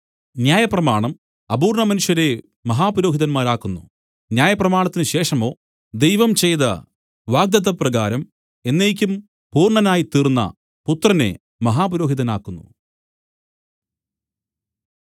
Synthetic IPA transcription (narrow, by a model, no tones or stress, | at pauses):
njaːjɐprɐmaːɳɐm | ɐbuːrɳɐmɐnuʂjɐɾe̞ | mɐɦaːpɐɾo̞ːɦiðɐnmaːɾaːkːunːṵ | njaːjɐprɐmaːɳɐt̪ːinɨɕe̞ːʂɐmo̞ː | d̪e̞jʋɐmt͡ɕe̞jt̪ɐ̰ | ʋaːɡ̚d̪ɐðɐprɐɣaːɾɐm | e̞nːeːk̬ʲːum | puːrɳɐnaːjit̪iːrnːɐ̰ | put̪rɐne̞̰ | mɐɦaːpɐɾoːɦiðɐnaːkːunːṵ